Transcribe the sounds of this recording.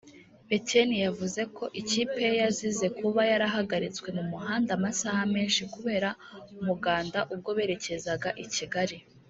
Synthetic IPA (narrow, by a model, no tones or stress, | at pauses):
betenijavuze̞kʰo̞ʔiciːpe̞jazize̞kuβajaɾaɦaɡaɾit͡swe̞mumuɦaːndamasaːhame̞ːnʃikuβe̞ːɾa | umuɡaːndaʔub̚ɡo̞βe̞ːɾe̞ce̞zaɡaʔiciɡaɾi